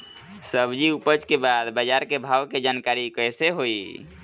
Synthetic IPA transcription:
səbd͡ʒiupət͡ʃkebad̪bəd͡ʒaɾkebʱawked͡ʒankaɾikəjseɦoi

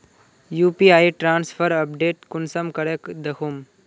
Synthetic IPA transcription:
juːpiaːiʈɾãːnspʰəɾɐpɖeːʈkunsɐmkɐɽekd̪ekʰum

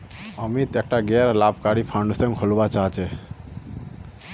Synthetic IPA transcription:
əmit̪ek̚ʈaɡeɾlabkaɾipʰaɳɖsə̃ŋɡkʰolbat͡ʃaɦt͡ʃe

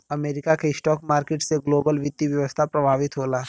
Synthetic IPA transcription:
ɐmeːɾɪkakeɪsʈɔːkmaːɾkeːʈseɡloːbəlʋɪd̪iʋjɐʋəst̪ʰapɾɐbʱaːʋɪt̪ɦoːlaː

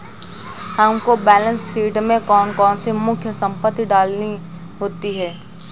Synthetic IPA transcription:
həmkobɛːlə̃nsːiːʈmẽkɔːnkɔːnsemʊkʰjəsə̃mpət̪ːiɖaːlni | ɦoːt̪iɦɛː

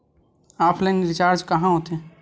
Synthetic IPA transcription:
aːpʰləniɾɪt͡ʃaːɾd͡ʒkəɦãɦot̪e

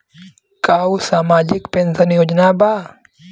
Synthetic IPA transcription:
kaːwsaːmaːd͡ʒɪkpẽːnsənjoːd͡ʒnabaː

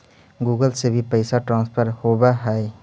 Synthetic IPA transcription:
ɡuɡəlsebʱipəjsaʈɾãnspʰɐɾhobaɦaj

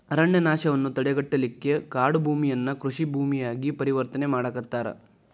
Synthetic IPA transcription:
ɐɾɐɳjɐnaːʃɐʋɐnːut̪ɐɽɛɡɐʈːɐlikːe̞kaːɽubʱuːmijɐnːɐkɾuʂibʱuːmijaːɡipɐɾiʋɐɾt̪ɐnemaːɽɐkɐt̪ːaːɾɐ̰

